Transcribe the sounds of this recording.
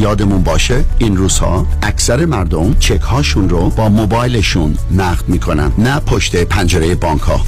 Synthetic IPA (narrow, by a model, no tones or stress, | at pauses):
jɒːd̪e̞munbɒːʃeinruːz̥hɒ̰ːæksæɾe̞mæɾd̪o̞mt͡ʃʰekʰhɒːʃunɾobɒːmobɒːjleʃunːæɣd̪miːkʰo̞næ̰nnæpʰoʃt̪ʰe̞pʰænd͡ʒeɾejebɒːŋkʰhɒ̰ː